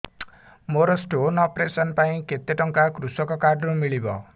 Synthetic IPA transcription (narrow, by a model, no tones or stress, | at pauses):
moɾʌsʈonʌpresʌnpaĩket̪ːeʈʌŋkakrusʌkʌkaɖrumiɭibʌ̰